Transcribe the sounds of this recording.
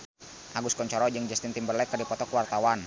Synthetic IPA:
ʔaɡuskɔɲt͡ʃɔɾɔd͡ʒəŋd͡ʒast̪int̪imbərlɛkərdipɔt̪ɔkwart̪awan

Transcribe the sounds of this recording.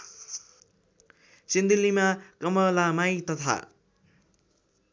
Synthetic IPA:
sind̪ilimakʌmʌlamajt̪ʌt̪ʰa̰

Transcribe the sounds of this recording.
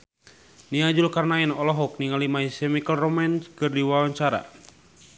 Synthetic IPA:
niad͡ʒulkarnainɔlɔɦɔk̚niŋalimaisɛmikəlrɔmanskɨrdiwawaɲt͡ʃaɾa̰

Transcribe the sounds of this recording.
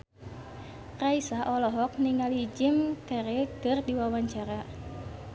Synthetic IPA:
raisaʔɔlɔɦɔk̚niŋalid͡ʒimt̪ɛɾedərdiwawaɲt͡ʃaɾa

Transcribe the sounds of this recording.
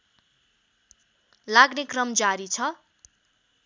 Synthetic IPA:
laɡnekrʌmd͡zaɾit͡sʰʌ

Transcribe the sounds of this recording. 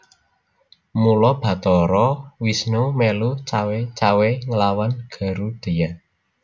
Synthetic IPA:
mulɔb̥ä̤t̪ɔɾɔwisnomelut͡ʃawet͡ʃaweŋəlawanɡ̥a̤ɾud̪̥e̤ja

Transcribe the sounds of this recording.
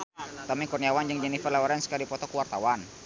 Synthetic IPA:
t̪ɔmikɔrniawand͡ʒɨŋd͡ʒɛnifərlawaɾɛnskadipɔt̪ɔkuwart̪awan

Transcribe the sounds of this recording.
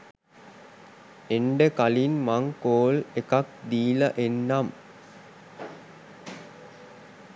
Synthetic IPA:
eɳɖəkalinmaŋkoːlekak̚d̪iːlɐʔenːam

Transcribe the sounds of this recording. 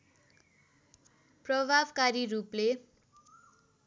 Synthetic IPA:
prʌbʱabkaɾiɾuple

